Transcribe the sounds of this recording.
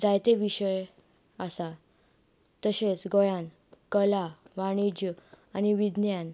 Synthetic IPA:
d͡zajt̪eʋiɕəj | asa | t̪əɕet͡sɡɔjãn | kəlaʋaɽ̃id͡ʑə | aniʋid̪njan

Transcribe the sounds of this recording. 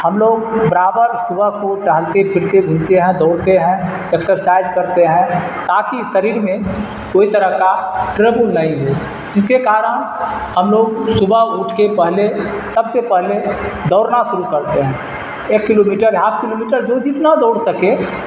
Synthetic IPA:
həmloːɡ̚bəɾaːbəɾsʊbʱəɦkoʈaɦlt̪epʰɪɾt̪ebʱʊ̃nt̪eɦɛ̃d̪ɔːɽt̪eɦɛ̃ | ɛksəɾsaːɪd͡ʒkəɾt̪eɦɛ̃ | t̪aːkisəɾiːɾmẽ | koːit̪əɾəɦkaʈɾebʊlnəɦĩɦo | d͡ʒɪs̬kekaːɾəɽ̃ɦəmloːɡsʊbʱəɦuʈʰkepɛɦle | səbsepɛɦled̪ɔːɾnasʊɾukəɾt̪eɦɛ̃ː | eːkːɪlomiːʈəɾɦaːb̚kɪlomiːʈəɾd͡ʒod͡ʒɪt̪nad̪ɔːɽsəke

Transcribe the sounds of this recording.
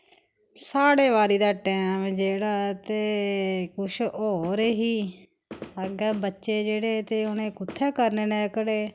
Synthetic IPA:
saːɽeːʋaːɾiːd̪aːʈɛːmd͡ʒeːɽaːt̪eːkʊʃoːɾeːɦiː | əɡəːbətːʃeːd͡ʒeːɽeːt̪eːʊnẽːkʊt̪ʰːɛːkəɾneːnẽːkəɽeː

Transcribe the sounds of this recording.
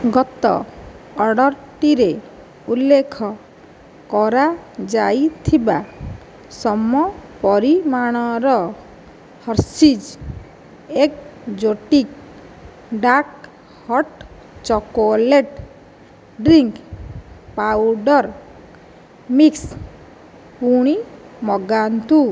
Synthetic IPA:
ɡɔt̪ɔ̰ | ɔɽɔɾʈiɾe | ulːekʰɔ | kɔɾad͡ʒajt̪ʰiba | sɔmːɔpɔɾimaɽ̃ɔɾɔ | hɔɾsid͡ʒ | ekd͡ʒoʈik | ɖak̚ | hɔʈ | t͡ʃɔkoleʈ | ɖɾiŋk | pawɖɔɾ | miks | puɽ̃imɔɡant̪u

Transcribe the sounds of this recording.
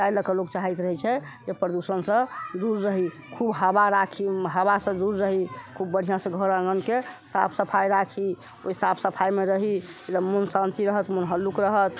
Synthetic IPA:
t͡ʃajləkəloɡt͡ʃaɦɛt̪ɾəɦɛt͡ʃʰɛ | d͡ʒepɾəd̪usənsə̃d̪uɾːəɦi | kʰubɦəbaɾakʰiɦəbasə̃d̪uɾːəɦikʰubːəɽ̤ijãsə̃ɡʱəɾə̃ŋɡənkesa̰pʰsəpʰajɾakʰi | o̰isapʰsəpʰajmeɾəɦied̪əmunsãnt̪iɾəɦət̪mənɦəlːukɾəɦət̪

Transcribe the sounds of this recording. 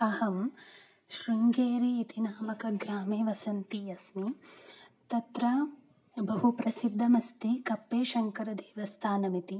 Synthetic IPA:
ɐhɐm | ʃɾiŋɡeːɾiːt̪inaːmɐkɐɡɾaːmeːʋɐsɐnt̪iɐsmi | t̪ɐt̪ɾɐ | bɐɦupɾɐsid̪ʱːɐmɐst̪ikɐpːeːʃɐŋkɐɾɐd̪eːʋɐst̪ʰaːnɐmit̪i

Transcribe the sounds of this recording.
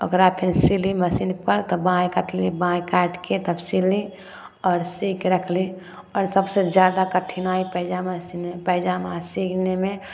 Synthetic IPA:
ə̰ɡəɾapʰinsiliməsinpəɾt̪ɔbãjkəʈʰlibãjkaʈket̪əbsili | ɔːɾsikɾəkʰli | ɔːɾsəbsẽd͡ʒjad̪akəʈʰinaipəɦd͡ʒamesinpəɦd͡ʒamãsikneme

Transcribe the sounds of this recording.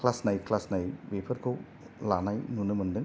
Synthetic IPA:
klasnajklasnajwepʰɐɾkʰow | lanajnunɯmɯndɯŋ

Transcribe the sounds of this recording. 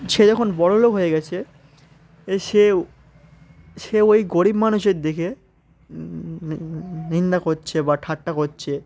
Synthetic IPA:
ʃed͡ʑɔkʰonbɔɽolokɦoeɡɛt͡ɕʰe | ʃe | ʃeojɡoɽibmanuʃeɾd̪eke | nind̪akotːɕʰebaʈʰaʈːakotːɕʰe

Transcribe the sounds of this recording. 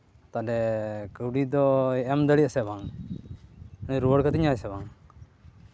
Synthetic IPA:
t̪adɛkəwɖid̪ɔɛɛmd̪əɽiasɛbaŋ | nɾuəɽkət̪iɲajsɛbaŋ

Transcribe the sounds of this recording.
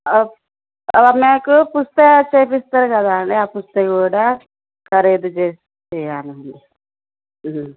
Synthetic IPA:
meːkupust̪et͡ʃeːpist̪aɾukɐd̪aːɐɳɖeaːpust̪ekuːɽaː | kɐɾeːd̪ut͡ʃeːs | t̪eɐnuuni

